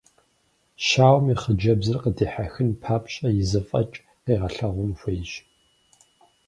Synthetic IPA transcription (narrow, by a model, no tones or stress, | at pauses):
ʃaːwmiχəd͡ʒɐbzɨrqədiːħaxɨnpʰaːpʰɕʼɐjɪzɨfʼɐt͡ʃʼ | qiːʁɐɬɐʁʷʊnxʷejɕ